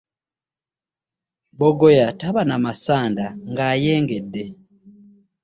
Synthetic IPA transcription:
boɡojataβanamasaːndaŋɡajeːŋɡedːe

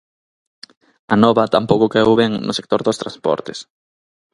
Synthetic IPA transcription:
ɐnɔβɐt̪ampowkʊkaewβɛŋnʔʊ̰sek̚t̪oɾðost̪ɾaspɔ̰ɾt̪es

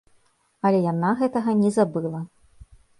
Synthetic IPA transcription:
ɐlʲɛjanaɣɛt̪ɐɣɐnʲɛzabɨlˠɐ

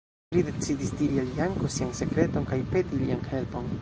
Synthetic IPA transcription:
lide̞t͡sidisdiɾialijaŋko̞sianse̞kɾe̞to̞nkajpe̞dilḭanhe̞lpo̞n

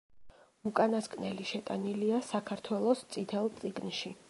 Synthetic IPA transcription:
ukʼanaskʼnɛliʃɛt̪ʼaniliasakʰaɾt̪ʰwɛlˠɔst̪sʼit̪ʰɛlˠt̪sʼiɡnʃi

